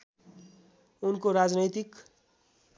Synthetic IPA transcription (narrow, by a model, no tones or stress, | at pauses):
unkoɾad͡znʌt̪ik